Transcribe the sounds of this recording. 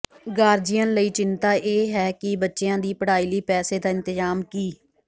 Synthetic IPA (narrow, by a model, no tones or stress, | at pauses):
ɡaːɾd͡ʒɪjə̃nləiːt͡ʃɪnt̪aːʔeːɦɛːkɪbətːʃeãːd̪iːpəɽaːiːliːpɛːseːd̪aːɪ̃nt̪ɪzaːmkiː